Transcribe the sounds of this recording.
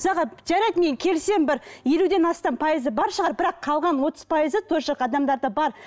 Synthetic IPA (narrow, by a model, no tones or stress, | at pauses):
zɑʁɑʒæɾɑjt̪meŋkʲʰe̞lse̞mbɪɾje̞lud̪e̞nɑst̪ɑmpʰɑjizəbɑɾʃəʁɑɾbɪɾɑqʰːɑlˠʁɑnwo̞t̪əzpʰɑjəzət̪ʰɵɾʃɑqɑd̪ɑmd̪ɑɾd̪əbɑɾ